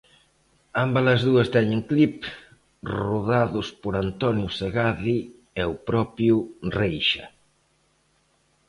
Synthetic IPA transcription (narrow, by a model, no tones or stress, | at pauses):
ambalɐzðuɐst̪ɛɲeŋklip | ruðaðʊspoɾant̪ɔnjuseɣaði | ɛupɾɔpjurejʃɐ